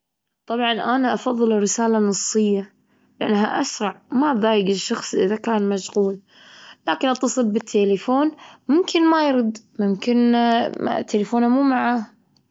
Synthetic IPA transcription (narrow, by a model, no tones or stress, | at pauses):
t̪ˤɑbʕɑnʔanaʔɑfɑðˤːɨlɪrːɪsaːlanɑsˤːɨjːa | lɪʔa̰nːɦaʔa̰sɾˤɑʕmaðaːjɪɡɪʃːɑxsˤʔɪðakaːnmaʃɣuːl | laːkɪnʔɑt̪ːɑsˤɨlbɪt̪ʰːeːlɪfoːnmʊmkɪnmajɾʊd̪mʊmkɪnm̰t̪ːelɪfoːnhamuːmaʕa